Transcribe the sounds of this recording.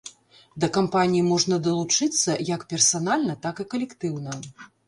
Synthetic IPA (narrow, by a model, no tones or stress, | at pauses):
d̪ɐkampanʲijimɔʐnɐd̪ɐlˠut͡ʂɨt̪sːɐjɐkpʲɛrsanalʲnɐt̪akɨkɐlʲɛkt̪ɨwnɐ